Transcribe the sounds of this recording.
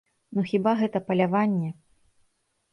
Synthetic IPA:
nuxʲibaɣɛt̪ɐpɐlʲavanʲːɛ

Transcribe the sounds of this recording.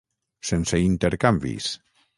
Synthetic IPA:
senseint̪eɾkambḭs

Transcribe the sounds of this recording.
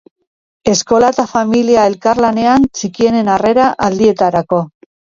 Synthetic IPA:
e̞sko̞lat̪afamiliae̞lkaɾlane̞ant͡sikie̞ne̞nare̞ɾaʔald̪ie̞t̪aɾako̞

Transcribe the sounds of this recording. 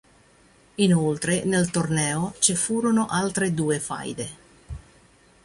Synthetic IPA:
inolt̪ɾenelt̪ornɛːot͡ʃifuːɾonoʔalt̪ɾed̪uːefa̰jd̪e

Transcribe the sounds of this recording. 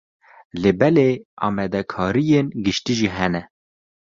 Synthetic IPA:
lɨbɛleːɑ̰ːmɛd̪ɛkʰɑːɾijenɡɨʃt̪iʒiɦɛnɛ

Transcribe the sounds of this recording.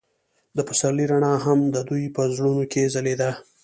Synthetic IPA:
d̪əpəsaliɾaɳɑɦamd̪əd̪ujpəzɽunokezaled̪a

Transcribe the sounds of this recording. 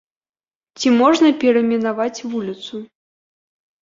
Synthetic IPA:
t͡sʲimɔʐnɐpʲɛɾɐmʲɛnavat͡sʲvulʲit̪su

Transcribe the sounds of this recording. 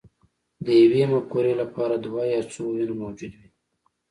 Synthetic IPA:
d̪əjawemakoɾelapɑɾad̪wɑjɑt͡sowinamowd͡ʒud̪wi

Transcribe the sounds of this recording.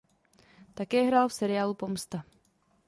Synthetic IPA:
t̪akɛːɦɾaːlfsɛɾɪjaːlupomst̪a

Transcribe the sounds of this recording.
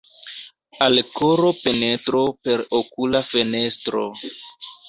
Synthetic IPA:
alkoɾo̞pe̞ne̞tɾope̞ɾokulafe̞ne̞stɾo̰

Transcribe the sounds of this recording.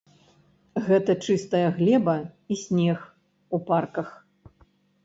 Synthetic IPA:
ɣɛt̪ɐt͡ʂɨst̪ɐjɐɣlʲɛbɐisʲnʲɛx | uparkɐx

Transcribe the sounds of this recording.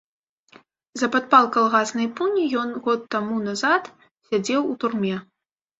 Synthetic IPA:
zɐpat̪̚palˠkalˠɣasnɐjpunʲijɔnɣɔt̪ːamunazat̪ | sʲad͡zʲɛwut̪urmʲɛ

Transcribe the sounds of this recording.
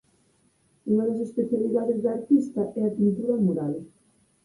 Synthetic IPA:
uŋaðɐs̬espeθjaliðaðezðaɾt̪ist̪ɐʔɛapint̪uðɐmuɾal

